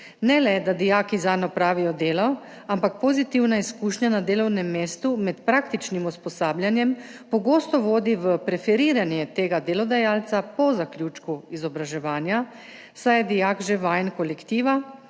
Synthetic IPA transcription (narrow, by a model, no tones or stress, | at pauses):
nɛlɛd̪ad̪ijaːkizaːnɔpɾaːʋijɔd̪eːlɔ | ampak̚pozit̪iwnaiskuːʃnanad̪eːlɔwnɛmːeːst̪umɛt̪pɾaːk̚t̪it͡ʃnimuspɔsaːbljanjɛmpɔɡoːst̪ɔʋoːd̪iʋəpɾɛfɛɾiːɾanjɛt̪eːɡad̪eːlɔd̪ɛjaːlt̪sapɔzaklʲjut͡ʃkuizɔbɾaʒɛʋaːnja | sajɛd̪ijakʒɛʋajnkɔlɛkt̪iːʋa